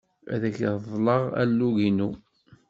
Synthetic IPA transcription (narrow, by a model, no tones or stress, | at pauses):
æ̰ðæçððˤləʁæ̰lːuʝinu